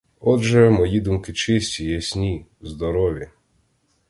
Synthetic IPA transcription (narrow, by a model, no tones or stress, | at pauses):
ɔdʒɛmɔjid̪umkɪt͡ʃɪsʲtʲijɛsʲnʲizd̪ɔɾɔʋʲji